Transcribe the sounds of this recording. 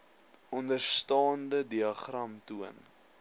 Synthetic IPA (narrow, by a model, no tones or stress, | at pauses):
ɔndərstɑːndədiɐχrɐmtuən